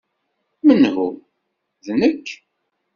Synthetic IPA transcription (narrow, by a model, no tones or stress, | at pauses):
mənhu | ðnəkː